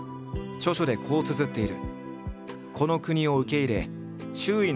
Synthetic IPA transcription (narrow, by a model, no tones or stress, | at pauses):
t͡ɕo̞ɕo̞d̪e̞kʰo̞ːt͡sɨzɨt̪ːe̞iɾɯ̟̰ | kʰo̞no̞kɯ̟ɲ̟io̞ɯ̟ke̞iɾe̞ | ɕɨːin